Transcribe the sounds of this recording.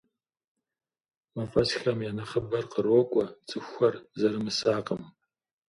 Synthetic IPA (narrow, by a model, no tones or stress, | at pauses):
mafɐsxɐmjanɐχəbɐrqərwɔkʷʼɐt͡sʼɨxʷɐrzɐɾɨmɨsaːqʼəm